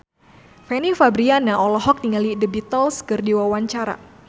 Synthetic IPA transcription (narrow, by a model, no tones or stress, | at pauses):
fɛnifabɾianaʔɔlɔɦɔk̚niŋalidəbit̪əlskɨrdiwawaɲt͡ʃaɾa̰